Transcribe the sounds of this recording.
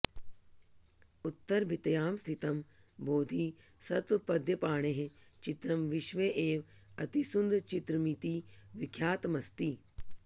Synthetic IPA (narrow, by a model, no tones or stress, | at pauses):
ʊt̪ːɐɾbʱɪt̪jaːmsit̪ɐmboːd̪ʱiːsɐt̪ʋpɐd̪ʱjɐpaːɳ̃eɦet͡ʃɪt̪ɾɐmʋɪʃʋeʔeːʋɐt̪isʊnd̪t͡ʃit̪ɾɐmit̪iːʋɪkʰjaːt̪mɐst̪iː